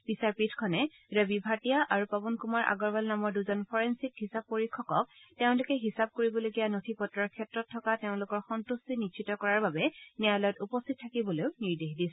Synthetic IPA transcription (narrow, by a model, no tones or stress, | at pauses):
b̥isaɹpitʰkʰɔnɛ | ɹabibʱatijaʔaɹupabɔnkumaɹʔa̰ɡɔɹbalnamɔɹduzɔnpʰɔɹensikhisab̚poɹikʰːɔkɔk̚teʊ̃lʊkɛɦisab̚koɹibɔloɡijanotʰipɔtɹɔɹkʰɛtɹɔtʰːɔkateʊ̃lʊkɔɹxɔntustinitʃʰitɔkɔɹaɹbabɛnialɔjɔtupɔstʰit̚tʰːakibɔlojʊniɹdexdisɛ